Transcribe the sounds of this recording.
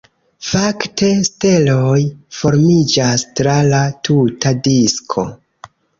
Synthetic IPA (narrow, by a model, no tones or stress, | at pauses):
faktʰe̞ste̞lo̞jfo̞ɾmid͡ʒastɾalatʰutadiskʰo̞̰